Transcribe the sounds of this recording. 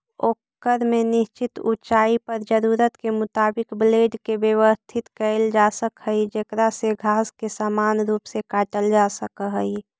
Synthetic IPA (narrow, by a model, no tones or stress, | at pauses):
oːkəɾmenɪʃt͡ʃɪt̪ṵt͡ʃaːipəɾd͡ʒəɾuːɾət̪kemʊt̪aːbɪkbleːɖkebjəwəst̪ʰɪt̪kəɪld͡ʒaːsəkɦəid͡ʒekɾaseɡʱaːskesaːmaːnɾuːpsekaːʈəld͡ʒasəkɦəi